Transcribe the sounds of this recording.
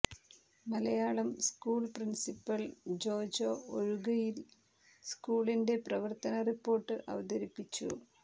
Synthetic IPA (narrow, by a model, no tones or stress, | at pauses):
mɐlɐjaːɭɐmskuːɭprinsipːɐld͡ʑo̞ːd͡ʑoːoɻuɣɐjil | skuːɭinde̞prɐʋɐrt̪ɐnɐripːo̞ːrʈːɨʔɐ̰ʋɐd̪ɐɾipːit͡ɕːṵ